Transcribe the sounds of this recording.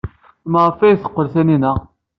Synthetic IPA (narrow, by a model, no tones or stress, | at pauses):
məʁəfæjθə̥qːəlθæninə